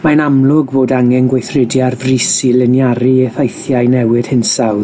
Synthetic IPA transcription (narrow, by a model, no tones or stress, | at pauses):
manamlˠʊɡboːdaŋɛnɡwejθrɪdjarvrisilɪnjaɾiɛθejθjajnɛwɪd̥hɪnsawð